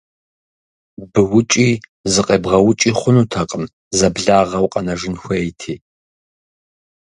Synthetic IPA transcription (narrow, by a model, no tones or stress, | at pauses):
bɨwʊt͡ʃʼiːzɨqʼeːbʁɐwʊt͡ʃʼiːχʷʊnuːtʰɐqʼəm | zɐbɮaːʁɐwqʼɐnɐʒɪnxʷɐejtʰiː